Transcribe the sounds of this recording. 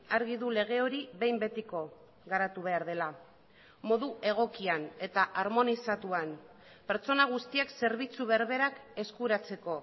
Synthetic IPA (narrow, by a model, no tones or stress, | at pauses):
aɾɣiðule̞ɣ̞e̞o̞ɾiβe̞jmbe̞t̪iko̞ | ɣaɾat̪uβ̞e̞aɾð̞e̞la | mo̞ðuʔe̞ɣ̞o̞kiane̞t̪aʔaɾmo̞nisat̪uan | pe̞ɾt͡so̞naɣ̞ust̪iakse̞ɾβ̞it͡suβeaɾβe̞ɾake̞skuɾat͡se̞ko̞